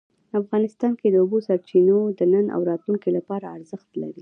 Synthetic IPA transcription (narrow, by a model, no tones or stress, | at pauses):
afɣɑnɪst̪ɑnked̪əubosaɾt͡ʃinod̪ənəna̰wɾɑt̪luŋkilapɑɾaːɾzəxt̪laɾi